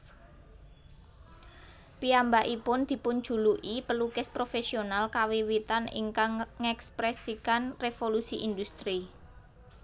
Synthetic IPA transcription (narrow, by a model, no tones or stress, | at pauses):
piambaʔipʊnd̪̥i̤pʊn̥ʒ̥ṳluʔipəlukɪspɾofesionalkawiwit̪anḭŋkaŋːɛkspɾɛsikanrefolusiʔind̪ust̪ɾi